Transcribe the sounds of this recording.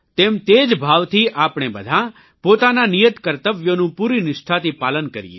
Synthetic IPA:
t̪emt̪ed͡ʒbʱaʋt̪ʰiʔapɽ̃ebəd̪ʱã | pot̪ananijət̪kəɾt̪əʋjonũpuɾinɪʂʈ̪ʰat̪ipaːlənkəɾijḛ

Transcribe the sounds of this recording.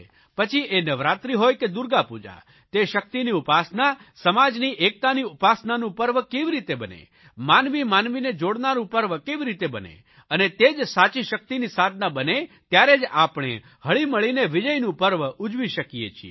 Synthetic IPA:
pət͡ʃʰiʔenəʋɾat̪ɾiɦojked̪uɾɡapud͡ʒa̰ | t̪eʃək̚t̪iniupasnasəmad͡ʒniʔek̚t̪aniupasnanũpəɾʋkeʋiɾit̪ebənḛ | manʋimanʋined͡ʒoɽnaɾũpəɾʋkeʋiɾit̪ebənḛ | ənet̪ed͡ʒsat͡ʃiʃək̚t̪inisad̪ʱnabənet̪jaɾed͡ʒa̰pɽ̃ḛ | həɭiməɭineʋid͡ʒəjnũpəɾʋud͡ʒʋiʃəkijḛt͡ʃʰḭ

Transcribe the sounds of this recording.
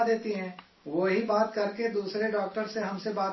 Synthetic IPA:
d̪eːt̪iɦɛ̃ː | ʋoɦibaːt̪kɐɾked̪uːsɾeɖɔːk̚ʈəɾseɦɐmsebaːt̪

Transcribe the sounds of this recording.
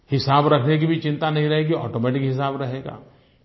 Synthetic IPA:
hɪsaːbɾɐkʰnek̬ibʱit͡ʃɪ̃nt̪anɐɦĩɾɐɦeːɡiɔ̰ːʈoːmɛːʈɪkɦɪs̬aːbɾɐɦeːɡa̰ː

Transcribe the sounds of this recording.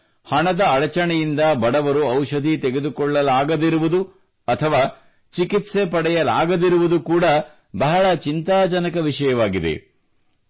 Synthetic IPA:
hɐɳɐd̪ɐːɭɐt͡ʃɐɳɛjind̪ɐbɐɽɐʋɐɾuɐwʂɐd̪ʱit̪eɡe̞d̪ukɔɭːɐlaːɡɐd̪iɾuʋud̪u | ɐt̪ʰɐʋaː | t͡ʃikit̪sepɐɽɛjɐla̰ːɡɐd̪iɾuʋud̪ukuːɽɐ | bɐɦɐɭɐt͡ʃint̪aːd͡ʒɐnɐkɐʋiʂɐjɐʋaːɡid̪ḛ

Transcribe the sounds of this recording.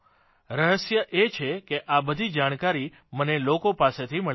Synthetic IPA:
ɾəɦəsjəʔet͡ʃʰekeʔabəd̪ʱid͡ʒaɽ̃kaɾi | mənelokopaset̪ʰiməɭ

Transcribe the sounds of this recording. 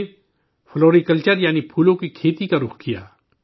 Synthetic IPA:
floːɾikəlt͡ʃəɾjaːnipʰuːlõkikʰeːt̪ikaɾʊxkija̰ː

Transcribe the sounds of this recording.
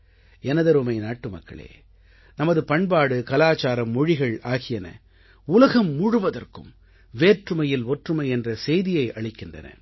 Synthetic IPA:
ɛnɐðɐɾɯmɐɪnaːʈːɯmɐkːɐ̰ɭḛː | nɐmɐðɯpɐɳbaːɽɯkɐlaːt͡ʃaːɾɐmːɔɻɪɣɐɭaːɣɪjɐnɐ̰ | ʊlɐɣɐmːʊɻɯʋɐðɐrkɯm | ʋeːʈrɯmɐjɪlɔʈrɯmɐɪɛndrɐsɛjðɪjɐɪʔɐɭɪkːɪndrɐ̰nɐ̰

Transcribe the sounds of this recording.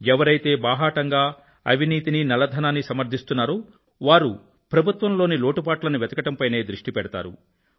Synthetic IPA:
ɛʋɐɾɐjt̪e̞ːbaːɦaːʈɐŋɡaː | ɐ̰ʋiniːt̪ininɐlɐd̪ʱɐnaːnːisɐmɐɾd̪ʱist̪unːaːɾuː | ʋaːɾu | pɾɐbʱut̪ʋɐmlo̞ːniloːʈupaːʈlɐnuʋɛt̪ɐkɐʈɐmpɐjne̞ːd̪ɾuʂʈipɛɽɐt̪a̰ːɾṵ

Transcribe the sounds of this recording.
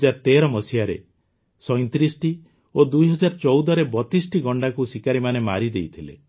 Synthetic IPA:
d͡ʒaɾɔt̪eɾɔmɔsijaɾḛ | sɔjnt̪ɾisʈi | od̪ujɦɔd͡ʒaɾɔt͡ʃɔwd̪ɔɾebɔt̪isʈiɡɔɳɖakusikaɾimanemaɾid̪ejt̪ʰilḛ

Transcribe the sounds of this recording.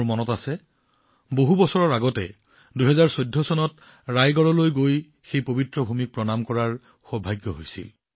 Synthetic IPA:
mɔnɔtasɛ | boɦubɔsɔɹɔɹaɡɔtɛ | duɦɛzaɹsodʱːɔsɔnɔt | ɹajɡɔɹɔlojɡoj | xejpobitɹɔbʱumik̚pɹɔnamkɔɹaɹ | xɔbʱaɡjɔɦojsḭl

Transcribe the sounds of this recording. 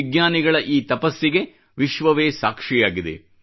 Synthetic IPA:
iɡnaːniɡɐɭɐʔiːt̪ɐpɐsːiɡe̞ | ʋiʃʋɐʋeːsaːkʂijaːɡid̪ḛ

